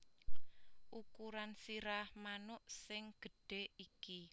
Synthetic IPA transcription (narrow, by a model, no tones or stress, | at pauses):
ʔukuɾansiɾahmanʊʔsɪŋɡ̥ə̤ɖ̥e̤iki